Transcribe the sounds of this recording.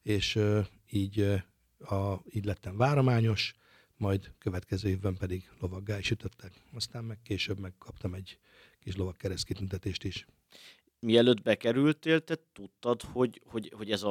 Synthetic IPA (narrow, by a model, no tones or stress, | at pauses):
eːʃ | iːɟ | ɒiːɟlɛt̪ːɛɱvaːɾomaːɲo̞ʃ | mɒjd̪køvɛt̪kɛzøːheːvbɛmpɛd̪iɡlo̞vɒɡːaːiʃyt̪øt̪ʰːɛk | ɒst̪aːmmɛkkeːʃøbmɛkkʰːɒpt̪ɒmɛɟ | kiʃlo̞vɒkːɛɾɛst̪kit̪ynt̪ɛt̪eːʃt̪iʃ | miɛløːd̪bɛkɛɾylt̪eːlt̪ɛt̪ut̪ːɒd̪ho̞ɟho̞ɟho̞ɟɛzɒ